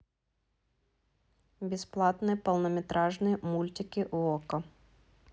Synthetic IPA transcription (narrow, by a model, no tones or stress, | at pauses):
bʲisplˠɑt̪nɪpɔlˠnɔmʲɛt̪ɾɑʒnɨjmulʲtʲɪkʲɪʔuɔkɔ